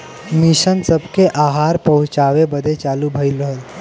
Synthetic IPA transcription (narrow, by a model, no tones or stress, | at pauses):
miɕənsəbkeʔaɦaɾpəɦut͡ʃaʋebəd̪ʱet͡ʃalubʱəjlɦəl